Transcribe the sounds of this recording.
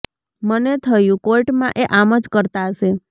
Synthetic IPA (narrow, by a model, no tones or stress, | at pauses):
mənet̪ʰəjũkoiʈmã̰ʔeʔaməd͡ʒkəɾt̪aəʃe